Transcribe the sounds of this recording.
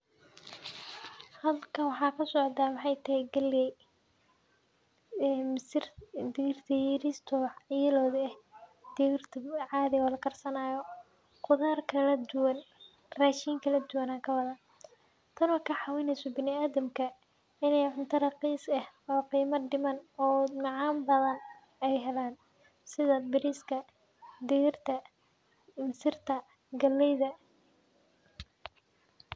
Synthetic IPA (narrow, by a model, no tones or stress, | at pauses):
hɐðɐlkʰɐnwɑħɑːkʰɐsɔʕd̪aːmɑħɑjt̪ʰɐhɛjɡɐljɛj | msrd̪iːrt̪ʰɐjiːɾist̪ʰɔjɪlɔːðɛhd̪irt̪ʰɐʕɑːðɪɣɔːlɐkʰɐrsɐnaːjɔ | qʊðaːrkʰɐlɐd̪ʊwɐn | raːʃiːŋkʰɐlɐd̪ʊwɐnaːkʰɐwɐðɐn | t̪ʰɐnwɔkʰɐħɑwɛnɛjsɔbɪnɪaːðɐmkʰɐ | ɪnɛjʕʊnt̪ʰɐɾɐqiːsɐhɔːqiːmɐɖɪmɐnɔːŋɑʕɑːmbɐðɐn | ɛjɦɛlaːn | sɪðɐbɪɾɪskʰɐ | d̪iːrt̪ʰɐ | ɪmsɪrt̪ʰɐ | ɡɐlːɛjðɐ